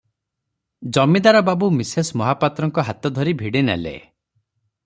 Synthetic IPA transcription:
d͡ʒɔmid̪aɾɔbabumisesmɔɦapat̪ɾɔŋkɔɦat̪ɔd̪ʱɔɾibʱiɽenḛlḛ

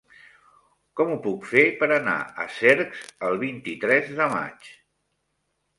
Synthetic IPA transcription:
kɔmupukfepəɾəna̰ə̰seɾkzəlˠβint̪it̪ɾɛzðəma̰t͡ʃ

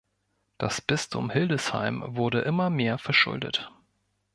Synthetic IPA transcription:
d̥asb̥ɪstʰʊ̰mhɪldəsha̰ɪmvʊɐdəʔɪmɐmeːɐfɛɐʃʊ̰ldə̰t

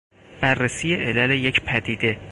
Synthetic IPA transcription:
b̥æɾːasijeʔelælɪjekʲpʰæd̪iːd̪e

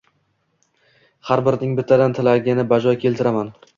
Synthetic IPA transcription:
haɾbɪɾnɪŋbɪt̪ʰːad̪ant̪ʰɪlaɾɡʲɪnɪbad͡ʒɒjkʲʰe̞lt̪ɪɾaman

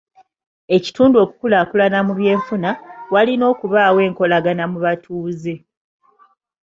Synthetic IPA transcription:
e̞ci̥tuːndo̞ːku̥kulakulanamuβje̞ːɱfunawalino̞ːkuβaːwe̞ːŋko̞laɡanamuβatʰuːze̞

